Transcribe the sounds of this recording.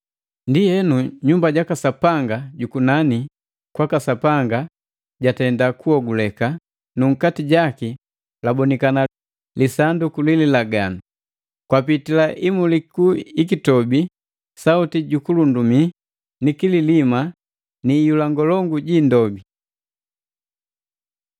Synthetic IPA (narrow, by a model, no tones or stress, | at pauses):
ndijɛnuɲumbaɟakasapaŋɡaɟukunani | kwakasapaŋɡa | ɟatɛndakuɔɡulɛka | nuŋ̩katiɟaki | labɔnikana | lisandukulililaɡanu | kwapitilaʔimulikuikitɔbi | sautiɟukulundumi | nikililima | nijulaŋɡɔlɔŋɡuɟindɔbi